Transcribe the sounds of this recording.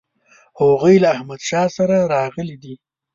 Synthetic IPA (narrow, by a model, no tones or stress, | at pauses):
hoɣujlaːhmad̪ʃɑsaɾaɾɑɣəlid̪i